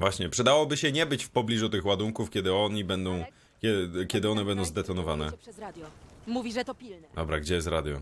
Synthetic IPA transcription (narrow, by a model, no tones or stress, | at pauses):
vwaɕɲɛpʂɛd̪awɔbɘɕɛɲɛbɘt͡ɕfpɔblʲiʐut̪ɘxwad̪uŋkufkʲɛd̪ɘɔɲibɛnd̪ɔ̃w̃ | kʲɛkʲɛd̪ɘɔnɛbɛnd̪ɔ̃w̃zd̪ɛt̪ɔnɔvanɛ̰ad̪jmuvʲiʐɛt̪ɔpʲild̪ɔbɾaɡd͡ʑɛjɛst̪ɾad̪jɔ̰